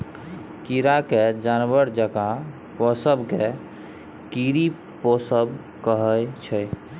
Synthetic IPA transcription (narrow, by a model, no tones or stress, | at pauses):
kiɾaked͡ʒanbəɾd͡ʒəka | pɔsəbke | kiɾi | pɔsəb | kəɦəjt͡ʃʰəj